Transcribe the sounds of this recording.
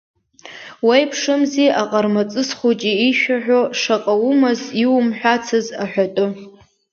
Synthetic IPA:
wajpʰʂɨmziʔaqʼarmat͡sʼɨsχot͡ʃʼiiʃᶣaħᶣʷoʂaqʼawumaziwumħʷᶣat͡sʰɨzaħʷᶣatʼɨ

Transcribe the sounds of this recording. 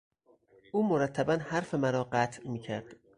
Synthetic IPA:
ʔuːmoɾæt̪ʰːæbænhæɾfe̞mæɾɒːɢæt̪ʰmiːcʰæɾd̪̥

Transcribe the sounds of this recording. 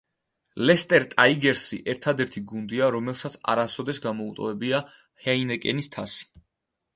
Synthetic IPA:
lɛst̪ʼɛɾt̪ʼaiɡɛɾsḭʔɛɾt̪ʰad̪ɛɾt̪ʰiɡund̪iaɾɔmɛlˠsat̪sʰa̰ɾasɔd̪ɛsɡamɔut̪ʼɔvɛbia | hainɛkʼɛnist̪ʰasi̥

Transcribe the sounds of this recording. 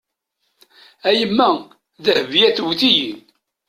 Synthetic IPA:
æjəmːæ | ðəhvjæθwθijin

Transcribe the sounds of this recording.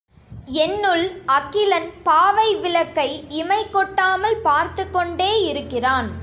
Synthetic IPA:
ɛnːɯɭɐkːɪlɐnpaːʋɐɪʋɪɭɐkːɐɪɪmɐɪkːɔʈːaːmɐlpaːɾt̪ɯkːɔɳɖeːɪɾɯkːɪraːn

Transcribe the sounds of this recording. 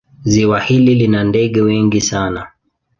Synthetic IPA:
ziwahililinandɛɠɛwɛŋɡisana

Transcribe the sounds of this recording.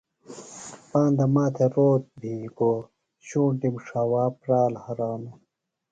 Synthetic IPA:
paːnd̪ɐmaːt̪ʰeɾoːt̪̚bʱiːko | ɕũːɳʈimʂaːwaːpɾaːlhɐɾaːnu

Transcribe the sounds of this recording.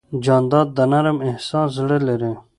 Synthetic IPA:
d͡ʒɑːnd̪ɑːd̪ːanaɾəmɪhsɑ̃ːzɽeleɾe

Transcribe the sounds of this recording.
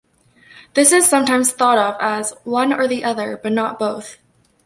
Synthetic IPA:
ðɪsɨz̥sʌ̃mtãɪ̃mz̥θɔɾʌvəzwʌ̃nə˞ðiʔʌðə˞b̥ʌtⁿnət̚b̥oʊθ

